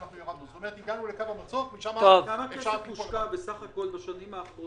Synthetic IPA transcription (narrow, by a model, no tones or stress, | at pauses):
aχujomad̪nuzot̪omeʁet̪iɡanulekabamat͡sokmiʃamat̪ovkamakeamuʃkabesaχako̞lbaʃanimaːχʁo